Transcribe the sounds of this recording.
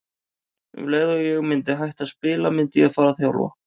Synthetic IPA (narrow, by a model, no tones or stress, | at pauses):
vlɛːðʏjɛɣmɪnt̪ɪɦajht̪aðspɪːlamɪnt̪ɪaðfaːɾaθjawlva̰